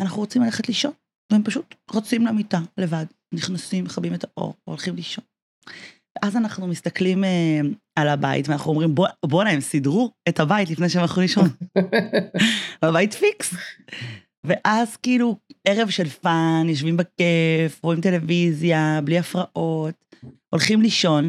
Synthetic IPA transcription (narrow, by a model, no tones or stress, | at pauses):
anaχnuʁot͡simlaleχetliʃo̞n | vehempaʃutʁot͡simlamitale̞vad | niχnasimːeχabimetaʔo̞̰ʁolχimliʃo̞n | veʔazanaχnumist̪ɐklimealaba̰ḭtveanaχnuomʁimbobonaemsidʁuethabaitlifne̞jʃeemaχuliʃon | abajitfiks | ve̞ʔazkiilue̞ʁevʃe̞lfanjoʃ̬vimbekefoimte̞le̞vizjabliafʁaʔo̞t | o̞lχimliʃo̞n